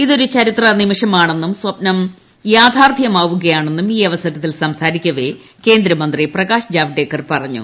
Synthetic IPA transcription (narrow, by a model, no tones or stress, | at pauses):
iðo̞ɾut͡ɕɐɾit̪rɐnimiʂɐmaːɳe̞nːumswɐpnɐm | jaːd̪ʱaːrd̪ʱjɐmaːʋuɣɐjaːɳe̞nːumiːɐʋɐsɐɣɐt̪ːilsɐmsaːɾikʲːɐʋe | ke̞ːnd̪ɾɐmɐnd̪riprɐɣaːʂd͡ʑaːʋiɖeːkːɐrpɐrɐɲːṵ